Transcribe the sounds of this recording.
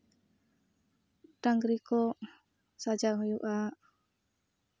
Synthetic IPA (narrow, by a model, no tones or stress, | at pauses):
taŋɡɾiko | sad͡ʒaŋjuʔa